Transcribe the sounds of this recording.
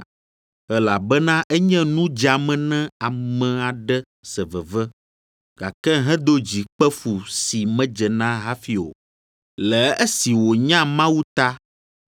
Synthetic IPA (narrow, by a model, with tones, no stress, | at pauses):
ɛ˨la˨bɛ˦nã˦ʔɛ˦ɲɛ̃˦nũ˦d͡ʒa˨mɛ̃˨nɛ̃˦a˨mɛ̃˨a˨ɖɛ˦ | sɛ˨vɛ˨vɛ˦ | ɡ̥a˨kɛ˦ɦɛ̃˦d̪o˦d͡ʑi˨k͡pɛ˦fu˨si˨mɛ̃˦d͡ʒɛ˨nã˦ɦa˦fi˨o̰˨ | lɛ˨ɛ˦si˨wo˨ɲã˦mã˦wu˦t̪a˦